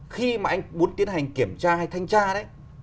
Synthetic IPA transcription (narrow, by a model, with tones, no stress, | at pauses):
xi˧maː˨˩ʔa˧jŋ̟mu˨˦ənt̪i˨˦ənha˨˩jŋ̟ki˧˩əmt͡ɕaː˧ha˧jt̪ʰa˧jŋ̟t͡ɕaː˧ɗə˨˦j